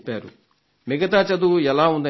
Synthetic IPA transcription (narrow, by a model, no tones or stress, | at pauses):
pːaːɾu | miɡɐt̪aːt͡ʃɐd̪uɛlaːund̪ɐ